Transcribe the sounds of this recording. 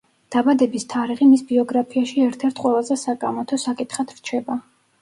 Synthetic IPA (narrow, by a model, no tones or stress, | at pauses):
d̪̥abad̪ɛbist̪ʰaɾiʁimisbiɔɡɾapʰiaʃiɛɾt̪ʰɛɾt̪ʰqʼwɛlˠazɛsakʼamɔt̪ʰɔsakʼit̪ʰχad̪̥ɾt͡ʃʰɛba